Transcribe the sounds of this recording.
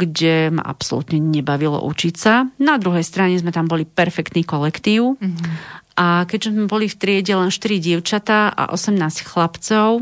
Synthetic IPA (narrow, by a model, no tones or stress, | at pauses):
ɡɟɛma̰ʔa̰psɔ̰lṵt̪ɲɛɲɛbaʋilɔ̰ʔut͡ʃicsanad̪ɾuɦɛjst̪ɾaɲɛzmɛt̪ambɔlipɛɾfɛkt̪niːkɔlɛkt̪iːʊ | ʔakɛɟʒɛzmɛbɔlift̪ɾɪɛɟɛlɛnʃt̪iɾiɟɪɛʊt͡ʃat̪aːʔa̰ʔɔ̰sɛmnaːscxlapt͡sɔʊ